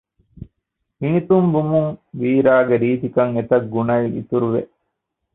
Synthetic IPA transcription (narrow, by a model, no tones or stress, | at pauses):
hinit̪umbumuŋʋiːɾaːɡeɾiːt̪ikɐŋet̪ɐɡːunɐiḭt̪uɾuʋḛʔ